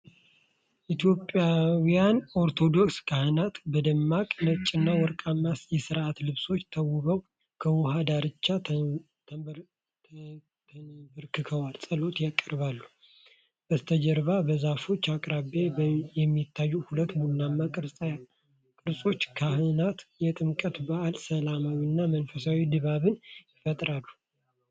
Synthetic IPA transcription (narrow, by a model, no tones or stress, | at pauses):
ʔit̪ʰjo̞pʼːjawjano̞ɾt̪ʰo̞d̪o̞kskʰahɨnat̪bəd̪əmːakʼnət͡ʃʼɪnːawɔɾkʼamːasjɛsɨɾʔat̪lɨβso̞t͡ʃːt̪ʰəwʊβəw | kʰəwʊhad̪aɾɨt͡ʃːa | bɨɾkʰɨkʰəwalsʼəlo̞t̪jakʼːəɾβalːu | bəst̪ʰəd͡ʒɛɾβabəzafo̞t͡ʃːakʼɾaβejɛmːit̪ʰːajːuhulət̪ːmunamːakʼɨɾsʼja | kʼɨɾsʼo̞t͡ʃːkʰahɨnat̪jɛt̪ʼɨmkʼət̪baʔːlsəlamawinːamənfəsawid̪ɨβaβɨnjɪfət̪ʼɾalːu